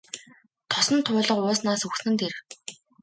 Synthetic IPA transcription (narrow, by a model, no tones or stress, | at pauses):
t̪ʰɔsɞ̆nt̪ʰʊːɮə̆qʊːsnaːsuxsnɘ̆nt̪ʰeɾw̆